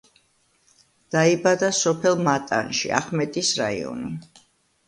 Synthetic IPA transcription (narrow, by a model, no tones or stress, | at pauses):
d̪̥aibad̪asɔpʰɛlˠmat̪ʼa̰nʃḭa̰χmɛt̪ʼisɾa̰ḭɔ̰ni